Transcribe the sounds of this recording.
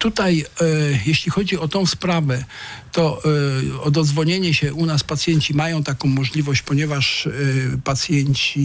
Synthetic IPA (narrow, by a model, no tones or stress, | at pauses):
t̪ut̪ajjeɕlʲixɔd͡ʑiɔt̪ɔ̃w̃spɾavɛt̪ɔ | ɔd̪ɔd̪zvɔɲeɲɛɕɛʔunaspat̪sʲjɛɲt͡ɕimajɔ̃w̃t̪akɔ̃w̃mɔʐlʲivɔɕt͡ɕpɔɲɛvaʂ | pat̪sʲjɛɲt͡ɕi